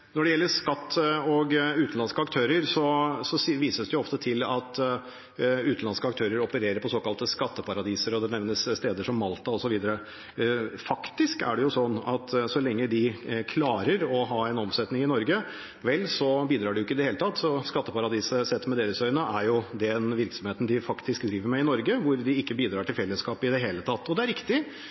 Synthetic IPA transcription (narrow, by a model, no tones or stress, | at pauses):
nɔɖɛjɛlːəʂkɑt̪ːɔɡʉːt̪n̩lɑnskəɑkt̪ʰøːɾəɾsɔsɔʋiːsəsd̪ɛjʊɔft̪ət̪ʰɪlɑt̪ | ʉːt̪n̩lɑnskəɑk̚t̪ʰøːɾəɾɔpəɾeːɾəɾpʰɔsoːkɑlt̪əskɑt̪ːəpʰɑɾɑd̪iːsəɾɔd̪ɛnɛʋnəsst̪eːd̪əʂɔmːɑlt̪ɑɔsɔʋiːd̪əɾə | fɑkt̪ɪskæ̰ɖɛjʊsɔnːɑt̪sɔlɛŋːəd̪ɪkʰlɑːɾəɾɔɦɑɛnɔmsɛt̪nɪŋɪnɔɾɡə | ʋɛlːsɔbiːd̪ɾɑːɖɛjʊɪkːəɪd̪ɛheːlət̪ʰɑt̪ːsɔskɑt̪ːəpɑɾɑd̪iːsəsɛt̪ːmɛd̪eːɾəsœʏnəʔæɾjʊd̪ɛnʋɪɾksɔmheːt̪nd̪ɪfɑkt̪ɪskd̪ɾiːʋəɾmɛɪnɔɾɡəʋʊɾd̪ɪɪkːəbiːd̪ɾɑːʈʰɪlfɛlːəskɑːpɪd̪ɛɦeːlət̪ʰɑt̪ːɔd̪ɛæɾɪkt̪ɪ